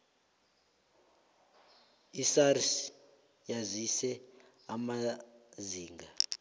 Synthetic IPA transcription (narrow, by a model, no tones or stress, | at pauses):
isaɾis | jazʷisɛ | amaziːŋɡa